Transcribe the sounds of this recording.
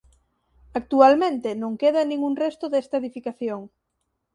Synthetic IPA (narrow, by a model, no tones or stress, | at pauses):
ak̚t̪ualmẽnt̪ɪnõŋkeðanĩŋuŋrest̪ʊðest̪aeðifikaθjoŋ